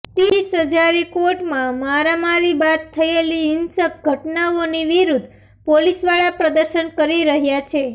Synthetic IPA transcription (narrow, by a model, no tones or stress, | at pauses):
t̪isɦəd͡ʒaɾikoɾʈmãmaɾamaɾibat̪t̪ʰːəeliɦɪnsək̚ɡʱəʈnaoniʋiɾud̪ʱ | polisʋaɭapɾəd̪əɾʃənkəɾiɾəɦjat͡ʃʰe